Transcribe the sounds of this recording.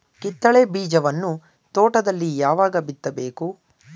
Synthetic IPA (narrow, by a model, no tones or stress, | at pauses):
kit̪ːɐɭebiːd͡ʒɐʋɐnːu | t̪oːʈɐd̪ɐlːijaːʋaːɡɐbit̪ːɐbe̞ːku